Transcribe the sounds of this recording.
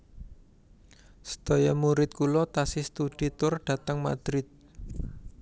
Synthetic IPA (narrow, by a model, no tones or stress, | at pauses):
sə̥d̪̥o̤jamuɾɪt̪̚kulɔt̪asɪst̪ud̥i̤t̪ʊrɖ̥ä̤t̪əŋma̰d̪̥ɾɪt̪̚